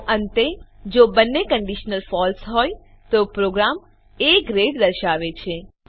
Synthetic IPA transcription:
ənt̪ed͡ʒobənːekəɳɖiʃnəlfɔlsɦɔj | t̪opɾoɡɾam | ekɾeʈd̪əɾʃaʋet͡ʃʰe

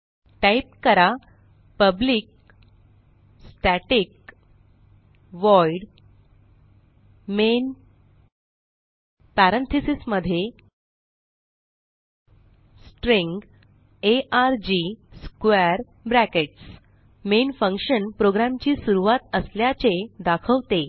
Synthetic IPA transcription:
ʈajp̚kəɾa | pəbliːk̚ | sʈæʈik̚ | ʋɔiɽ | men | pæɾənt̪ʰisisməd̪ʱːje | sʈɾiŋɡ | eʔaɾd͡ʑiskeɾ | bɾækeʈs | menfə̃ŋkɕənpɾoɡɾamt͡ɕiːsuɾuʋat̪əsljat͡sed̪akʰəʋt̪e

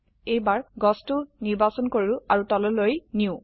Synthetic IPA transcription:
ejbaɹɡɔstuniɹbasɔnkoɹiʊaɹutɔlɔlojniʊ̃

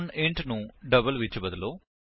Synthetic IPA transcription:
neːɳʈnuɖɐbɐlʋit͡ʃːibɐd̪uloː

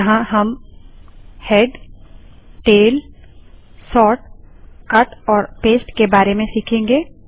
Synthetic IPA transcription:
ɐɦãɦɐm | hɛːɖ | ʈeːl | sɔːʈkɐʈɔːɾpeːsʈkebaːɾemẽsiːkʰẽːŋɡeː

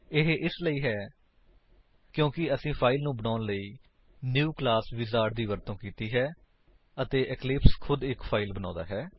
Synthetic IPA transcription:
ɪɦʔɪsləiːɦɛː | kjõːkɪəsĩːpʰaːɪlnũːbənaːnləiː | njuːklaːsʋɪzaːɾʈd̪iːʋəɾt̪õːkiːt̪iːɦɛː | ət̪eːʔɪklɪpskʰʊd̪ɪkpʰaːɪlbənãːd̪a̰ːɦɛː

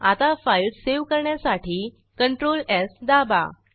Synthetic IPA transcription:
at̪afailseʋkəɾɳjasaʈʰiː | kəɳʈɾolɛsd̪aba̰

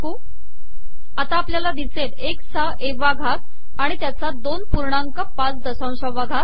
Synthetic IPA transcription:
ku | at̪aːpljalad̪iseʈeksaʔeʋaɡʱat̪ | aɽ̃it̪jat͡sad̪onpuɾɳãŋkapãt͡sd̪əsãw̃ɕəʋaɡʱat̪̚

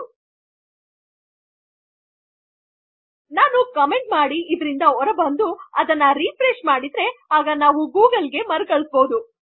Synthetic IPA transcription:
naːnukɐme̞ɳʈmaːɽiːd̪ɾind̪ɐɔɾɐbɐnd̪uɐd̪ɐnːɐɾipɾeʂmaːɽid̪ɾe̞aːɡɐnaːʋuɡuːɡɐlɡe̞mɐɾkɐɭisboːd̪u

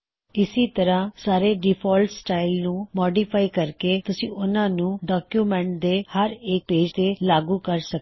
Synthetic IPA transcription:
ɪsiːt̪əɾãːsaːɾeːɖipʰɔːlʈsʈaːilnũːmɔːɖiːpʰaːikəɾkeːt̪ʊsĩːʔʊnãːnũːɖɔːkjuːmɛ̃ɳʈ̚d̪eːhəɾeːk̚peːd͡ʒt̪eːlaːɡũːkəɾsək̚

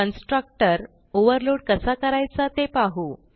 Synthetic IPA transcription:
ənsʈɾək̚ʈəɾ | oʋəɾloɽkəsakəɾajt͡sat̪epaɦu

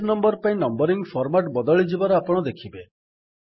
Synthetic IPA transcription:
ɾnɔmbɔɾpaĩnɔmbɔɾiŋfʰɔɾmaʈbɔd̪ɔɭid͡ʒibaɾɔapɔɽ̃ɔd̪ekʰibe

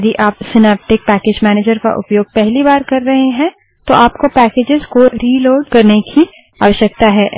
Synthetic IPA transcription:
d̪iʔaːpsɪnɛːp̚ʈɪk̚pɛːkeːd͡ʒmɛːneːd͡ʒəɾka̰ʔʊ̰pjoːɡ̚pɛɦlibaːɾkɐɾːɐɦeɦɛ̃ | t̪oʔaːpkopɛːkeːd͡ʒɪzkoɾiːloːɖkɐɾnekʰi | aːʋəʃjək̚t̪aɦɛː

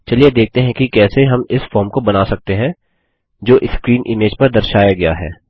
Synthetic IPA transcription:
t͡ʃɐlied̪eːk̚t̪eɦɛ̃kikɛːseɦɐmɪsfɔːɾmkobɐnaːsɐk̚t̪eɦɛ̃ | d͡ʒoːʔɪskɾiːnʔɪmeːd͡ʒpɐɾd̪ɐɾʃaːjaɡɐjaɦɛ̰ː

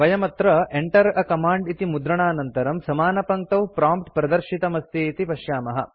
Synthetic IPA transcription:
ʋɐjɐmɐt̪ɾɐeɳʈɐɾɐkɐmaːɳɖit̪imud̪ɾɐɳaːnɐnt̪ɐɾɐmsɐmaːnɐpɐŋk̚t̪ɐwpɾaːmpʈ̪pɾɐd̪ɐɾʃit̪ɐmɐst̪iːt̪ipɐʃjaːmɐɦɐ̰

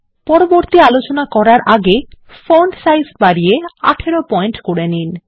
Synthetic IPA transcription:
pɔɾoboɾt̪ialot͡ɕonakɔɾaɾʔaɡe | foɳɖsajzbaɾiea̰ʈʰeɾopɔjnʈkoɾenin

